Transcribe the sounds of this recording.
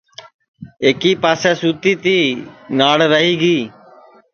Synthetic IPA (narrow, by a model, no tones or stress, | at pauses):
eːkiːpaːseːsuːt̪iːt̪iːnaːɽɾəɦiːɡiː